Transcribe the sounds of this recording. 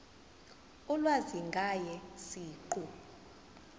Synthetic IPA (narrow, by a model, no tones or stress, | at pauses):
ulwaziŋɡʱajɛsiːǃu